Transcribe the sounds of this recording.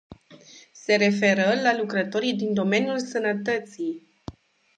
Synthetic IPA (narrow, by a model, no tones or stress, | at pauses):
se̞ɾe̞fe̞ɾəlalukɾət̪o̞ɾijd̪ind̪o̞me̞njulsənət̪ət̪sij